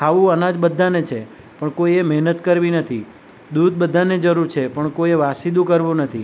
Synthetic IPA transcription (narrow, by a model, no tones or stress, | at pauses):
kʰaʋũənad͡ʒbəd̪ʱːanet͡ʃʰe | pəɳkoiemɛɦnət̪kəɾʋinət̪ʰi | d̪ud̪̚bəd̪ʱaned͡ʒəɾuɾt͡ʃʰepəɳkoieʋasid̪ũkəɾʋũnət̪ʰi